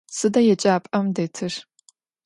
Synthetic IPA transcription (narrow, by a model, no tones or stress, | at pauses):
sɨdɐjɛt͡ʃʼaːpʼɐmdeːtʰɨr